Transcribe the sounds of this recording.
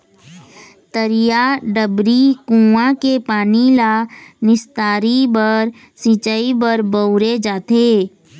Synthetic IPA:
t̪əɾijaɖəbɾikũːãkepaːnilanɪst̪aːɾibəɾ | sit͡ʃaibəɾbəʊɾed͡ʒaːt̪eː

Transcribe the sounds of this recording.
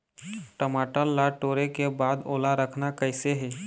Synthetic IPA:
ʈəmaːʈəlːaʈoːɾekebaːd̪oːlaɾəkʰnakəɪseɦɛː

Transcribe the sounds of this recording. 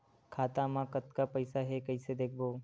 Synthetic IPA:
kʰaːt̪ãmãkət̪kapəɪsaɦekəɪsed̪eːkʰboː

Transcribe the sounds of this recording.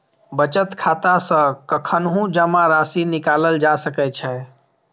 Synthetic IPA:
bət͡ʃət̪kʰat̪asə̃kəkʰənɦũd͡ʒəmaɾasinikaləld͡ʒasəkɛt͡ʃʰɛ

